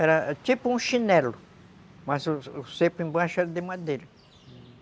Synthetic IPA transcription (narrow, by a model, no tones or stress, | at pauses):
ɛɾɐt̪ipʊũʃinɛlʊ | masʊsepʊẽbaʃʊɛɾɐd̪emad̪eɾɐ